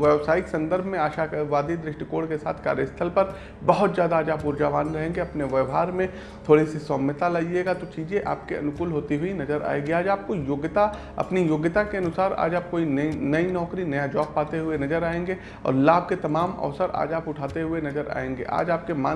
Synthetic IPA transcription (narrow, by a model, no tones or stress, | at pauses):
ʋɛʋsaːɪksɐ̃nd̪əɾbʱmẽaːʃaːʋaːd̪id̪ɾɪʃʈkoːɽkesa̰ːt̪ʰka̰ːɾjəst̪ʰəlpɐɾ | bɐɦʊt̪zjaːd̪aːd͡ʒaːpʊɾd͡ʒaːʋaːnɾɐɦẽːŋɡeɐpneʋəʋɦaːɾmẽ | t̪ʰoːɽisisɔːmət̪alaieːɡat̪ot͡ʃiːzẽʔa̰ːp̚keɐ̰nʊkʊːlɦoːt̪iɦʊinɐzəɾʔa̰ːeɡeaːd͡ʒaːp̚kojoːɡt̪a | ɐ̰pnijoːɡət̪akeɐnʊsaːɾa̰ːd͡ʒaːp̚koːinnɐinɔːkɾinɐjad͡ʒɔːbpaːt̪eɦʊenɐzəɾaːẽːŋɡe | ɔ̰ːɾlaːb̚ʱket̪ɐmaːmɐ̰ʋsəɾa̰ːd͡ʒaːpʊʈʰaːt̪eɦʊenɐzəɾa̰ːẽːŋɡḛʔa̰ːd͡ʒaːp̚kemaː